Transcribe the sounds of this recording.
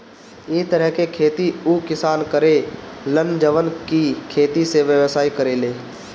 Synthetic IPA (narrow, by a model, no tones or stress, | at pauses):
ɪt̪əɾəɦkekʰeːt̪iuːkɪsaːnkəɾelənd͡ʒəʋənkikʰeːt̪iseʋjəʋsaːikəɾeːleː